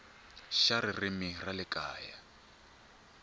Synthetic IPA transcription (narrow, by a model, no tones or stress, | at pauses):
ʃaɾɪrɪmiralɪkʼaːja